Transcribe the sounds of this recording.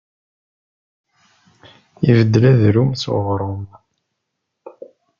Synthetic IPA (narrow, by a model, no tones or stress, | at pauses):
ivəd̪ːlæðɾumsṵʁɾˤom